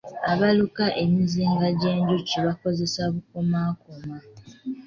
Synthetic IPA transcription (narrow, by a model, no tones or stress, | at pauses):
aβalukaʔemiziːŋɡaɟe̞ːɲɟuciβako̞ze̞saβukomaːkoma